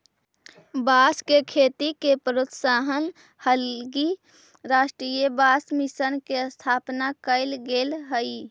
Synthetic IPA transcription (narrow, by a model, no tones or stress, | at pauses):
baːskekʰeːt̪ikepəɾot̪saːɦən | həlɡi | ɾaːsʈɾiːjəbaːsmisənkeəst̪ʰaːpnakəɪlɡeːlɦəi